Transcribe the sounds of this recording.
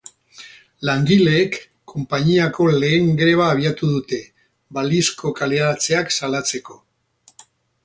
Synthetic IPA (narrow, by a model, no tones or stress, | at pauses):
laŋɡile̞ːkʰː | o̞mpaɲiako̞le̞ːŋɡɾe̞β̞aːβ̞iat̪uðut̪e̞ | balisko̞kaleɾat͡se̞aksalat͡se̞ko̞